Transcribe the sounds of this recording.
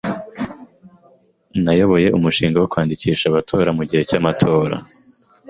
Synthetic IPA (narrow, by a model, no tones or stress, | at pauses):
najo̞βo̞je̞ʔumuʃiːŋɡawokwaːndiciːʃaβatʰo̞ːɾamuɟihe̞camatʰo̞ːɾa̰